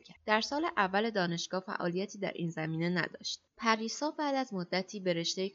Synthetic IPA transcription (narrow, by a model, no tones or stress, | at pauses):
æd̪̥æɾsɒːleʔævːæle̞d̪ɒːne̞ʃɡ̥ɒːfæ̰ʔɒ̰ːlijæt̪ʰiːd̪æ̰ɾʔiːnzæmiːne̞næ̰d̪ɒ̰ːʃt̪pʰæɾiːsɒːbæːd̪æzmod̪ːæt̪ʰiːbe̞ɾe̞ʃt̪ej